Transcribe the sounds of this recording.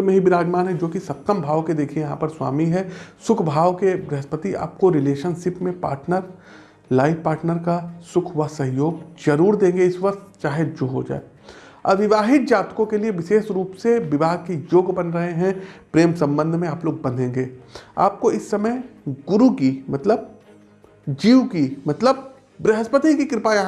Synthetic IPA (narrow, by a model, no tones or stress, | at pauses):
meɦibɪɾaːd͡ʒmaːnɦɛ̃d͡ʒoːkisɐp̚t̪əmbʱaːʋked̪eːkʰiẽjɐɦãːpɐɾswa̰ːmiɦɛsʊkʰbʱaːʋkebɾɛɦəspət̪ia̰ːp̚koɾɪleːʃənʃɪpmẽpa̰ːɾʈnəɾ | laːɪʋpaːɾʈnəɾkasʊkʰɦʊasɐ̃ɦjoːɡzɐɾuːɾd̪ẽːŋɡeɪsʋɐqt̪t͡ʃaːɦed͡ʒoːɦo̰d͡ʒa̰ːḛ | ɐʋɪʋaːɦɪt̪̚d͡ʒaːt̪kõkelieʋɪʃeːʃɾuːpseʋɪbaːɡ̪̚kijoːɡbɐnɾɐɦeɦɛ̃pɾeːmsɐ̃mbə̃nd̪ʱmẽaːploːɡ̚bɐ̃nd̪ʱẽːŋɡeːa̰ːp̚koɪsːɐməjɡʊɾukimɐt̪ləb̚ | d͡ʒiːwkimɐt̪ləb̚ | bɾɛɦəspət̪ikikɪɾɪpaːjã